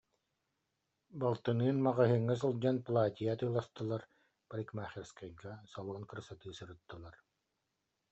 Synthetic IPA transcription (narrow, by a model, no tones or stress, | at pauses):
balˠt̪ɯnɯːnmaʁaɦɯŋːas̬ɯlˠd͡ʑanplˠaːt̪ʲijat̪ɯːlˠast̪ɯlˠaɾ | palʲikmaːχʲiɾskajɡasalˠɔnkɯɾsat̪ɯːsɯɾɯt̪ːɯlˠaɾ